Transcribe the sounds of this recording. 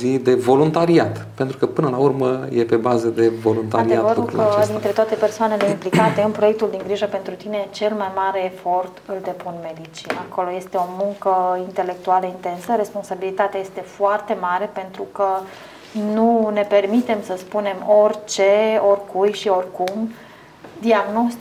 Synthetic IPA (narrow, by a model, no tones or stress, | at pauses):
zid̪e̞vo̞lunt̪aɾiat̪pent̪ɾukəpɨnəlaurməjepe̞bazəd̪e̞vo̞lunt̪aaɾieatvəɾukəd̪int̪ɾe̞t̪oat̪e̞pe̞rsoane̞le̞implikat̪e̞ɨnpɾojek̚t̪uld̪iŋɡɾiʒəpe̞nt̪ɾut̪ine̞t͡ʃe̞lmajmaɾe̞ːfo̞rt̪ɨlt̪e̞punme̞d̪it͡ʃiako̞lo̞je̞st̪e̞o̞muŋkəint̪e̞le̞k̚t̪ualəint̪e̞nsəɾe̞spo̞nsabilit̪at̪eaje̞st̪e̞foart̪e̞maɾe̞pe̞nt̪ɾukə | nune̞pe̞rmit̪e̞msəspune̞mo̞rʲt͡ʃe̞o̞rʲkujʃio̞rʲkum | d̪iaɡno̞st̪